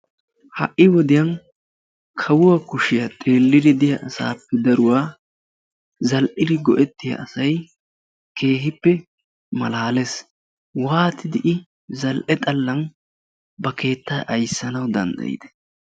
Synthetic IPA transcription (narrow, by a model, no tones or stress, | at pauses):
hɐ̰ʔːɪwɔd̪ɪjɐn | kʰɐwʊwɐkʊʃɪjɐt̪ʼe̞ːlːɪd̪ɪd̪ɪjɐʔɐsa̰ːpːɛd̪ɐɾʊwaː | zɐlʔɪlɪɡɔʔɛt̪ːɪjɐ̰ʔɐsɐj | ke̞ːɦɪpːɛ | mɐlaːlɛs | waːt̪ɪd̪ɪʔɪ | zɐlʔɛt̪ʼɐlːɐn | bɐke̞ːt̪ːaːʔɐjsːɐnɐwd̪ɐ̰nd̪ɐ̰jɪ̰d̪ɛ̥